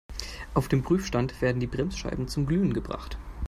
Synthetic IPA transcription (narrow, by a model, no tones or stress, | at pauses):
ʔaʊfd̥eːmbʁ̥yːfʃtantv̥eːɐdn̩diːbʁɛmsʃa̰ɪbm̩t͡sʊmɡlyːənɡəbʁa̰χt